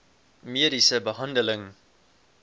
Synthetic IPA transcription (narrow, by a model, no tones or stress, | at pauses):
miːəɾisəbəɦɐndələŋ